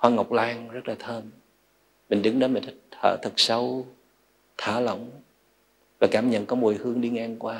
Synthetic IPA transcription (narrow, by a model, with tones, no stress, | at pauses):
hwaː˧ŋə˨˩wk͡p̚laː˧ŋzə˦˥t̚laː˨˩t̪ʰəː˧m | mï˨˩ŋ̟ɗɨ˨˦ŋɗoː˧˦m̟˨˩t̪ʰk̚t̪ʰə̰ː˧˩t̪ʰɨ˨˩k̚sə˧w | t̪ʰaː˧˩lə̰˧˨wŋ͡m | vaː˨˩kaː˧˩mɲə̰˧˨nkɔː˨˧˥mu˨˩əjhɨ˧əŋɗi˧ŋaː˧ŋkwaː˧